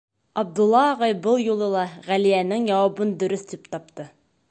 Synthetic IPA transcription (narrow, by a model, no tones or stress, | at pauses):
ɒb̚d̪ulˠːɑːʁɑjbɤlˠjulˠɤlˠɑʁælijænɘŋjɒwɑbɤnd̪ɵ̆ɾɵθd̪ipt̪ɑp̚t̪ɤ